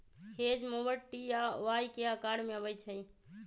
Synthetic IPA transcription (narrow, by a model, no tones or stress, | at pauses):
hed͡ʒmobəʈːijaʋajkeəkaɽmeəβəjt͡ʃʰəj